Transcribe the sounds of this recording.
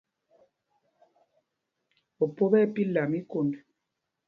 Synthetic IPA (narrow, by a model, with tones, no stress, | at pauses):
o˨po˦bɛ˦pi˦la˨mi˦ko˨ndu˨